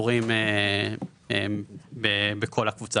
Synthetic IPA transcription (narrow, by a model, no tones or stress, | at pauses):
oʁime | ebebekʰo̞lakvut͡sa